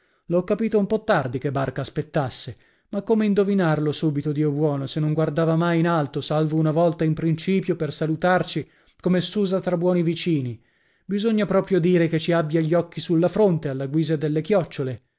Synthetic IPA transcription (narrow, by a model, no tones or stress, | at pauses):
loɔkːapiːt̪oumpɔt̪ːard̪ikebːarkaːspet̪ːasːe | makːomeind̪ovinarlosuːbit̪od̪iːobwɔːnosenːoŋɡward̪aːvamajinalt̪osalvounavɔlt̪aimpɾint͡ʃiːpjopersalut̪art͡ʃi | komesuːzat̪ɾabwɔːnivit͡ʃiːni | bizoɲːapɾɔːpɾjod̪iːɾeket͡ʃiabːjaʎːɔkːisulːafɾont̪ealːaɡwiːzed̪elːekjɔt͡ʃːole